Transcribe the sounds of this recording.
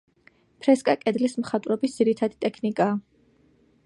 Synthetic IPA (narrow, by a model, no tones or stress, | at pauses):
pʰɾɛskʼakʼɛd̪lismχat̪ʼwɾɛbisd̪ziɾit̪ʰad̪it̪ʼɛkʰnikʼaː